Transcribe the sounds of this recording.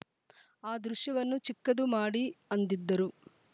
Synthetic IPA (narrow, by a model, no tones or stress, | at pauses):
aːd̪ɾuʂjɐʋɐnːut͡ʃikːɐd̪umaːɽiɐnd̪id̪ːɐɾu